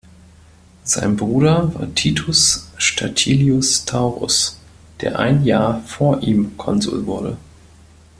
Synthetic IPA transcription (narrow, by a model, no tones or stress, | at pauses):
z̥a̰ɪnbʁuːdɐva̰ːɐtʰiːtʰʊsʃtʰatʰiːliʊstʰaʊʁʊ̰s | d̥eːɐʔaɪnjaːɐfoːɐʔiːmkʰɔnzṵːlvʊɐdə̰